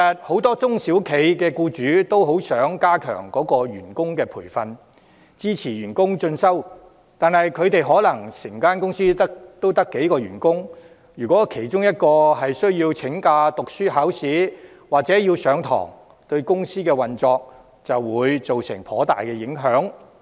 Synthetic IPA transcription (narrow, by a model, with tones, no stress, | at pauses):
ɐ˨t̚ho˨˥wt̪ɔː˥t͡sʊ˥ŋsi˨˥wkʰe˨˧jkɛː˧kuː˧t͡ʃyː˨˥t̪o˥wɦo˨˥wsœː˨˥ŋkaː˥kʰœ̰ː˨˩ŋkɔː˨˥kɔː˧ɥyː˨˩nkʊ˥ŋkɛː˧pʰuː˨˩jfɐ˨˧n | t͡siː˥t͡sʰiː˨˩ɥyː˨˩nkʊ˥ŋt͡ʃɵ˧nsɐ˥w | t̪aː˨nhɐ˨jkʰɵ˨˧ɥt̪e˨jɦɔː˨˥lɐ˨˩ŋsɪ˨˩ŋkaː˥nkʊ˥ŋsiː˥t̪o˥wt̪ɐ˥kːe˨˥jkɔː˧ɥyː˨˩nkʊ˥ŋ | jyː˨˩kʷɔː˨˥kʰe˨˩jt͡sʊ˥ŋjɐ˥t̚kɔː˧hɐ˨jsɵ˥ɥjiː˧wt͡sʰɪ˨˥ŋkaː˧t̪ʊ˨k̚syː˥ɦaː˨˥wsiː˨˥ | waː˨k̚t͡sɛː˨˥jiː˧wsœː˨˧˥ŋt̪ʰɔ̰ː˨˩ŋ | t̪ɵ˧ɥkʊ˥ŋsiː˥kɛː˧wɐ˨nt͡sɔː˧k̚ | t͡sɐ˨wːuː˨˧jt͡so˨wsɪ̰˨˩ŋpʰɔː˨˥t̪a̰ː˨jkɛː˧jɪ˨˥ŋɦœː˨˥ŋ